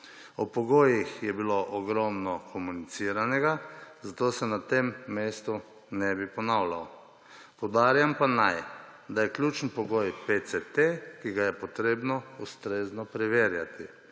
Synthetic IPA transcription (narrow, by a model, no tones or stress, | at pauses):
ɔpɔɡoːjixjɛbiloʔɔɡɾɔmnɔkʰɔmunit̪siːɾanɛɡazat̪oːsɛnat̪emːeːst̪u | nɛbipɔnawlaw | pɔwd̪aːɾjampanajd̪ajɛklʲuːt͡ʃnpɔɡojpeset̪ekiɡajɛpɔt̪ɾeːbnɔust̪ɾeːznɔpɾɛʋeːɾjat̪i